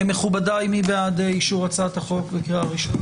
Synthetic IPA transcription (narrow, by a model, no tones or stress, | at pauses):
emeχubadajmibeadeiʃuʁat͡sat̪haχo̞kbekʁeaaʁiʃon